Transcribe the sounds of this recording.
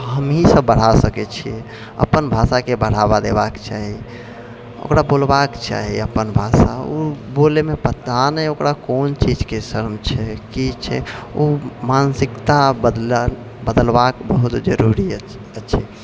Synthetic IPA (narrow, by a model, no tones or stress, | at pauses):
ɦəmɦisəbːəɽ̤asəkɛt͡ʃʰiɛ | ə̰pːənbʱasakebəɽ̤abad̪ebakt͡ʃaɦi | o̰kɾabolbakt͡ʃa̰ɦiəpːənbʱasa̰obolemepət̪ːanɛokɾakont͡ʃid͡ʒkesəɾmt͡ʃʰɛkit͡ʃʰɛ̰omansikt̪abəd̪ | bəd̪əlbakbəɦut̪d͡ʒəɾuɾi | ətːt͡ʃʰɛ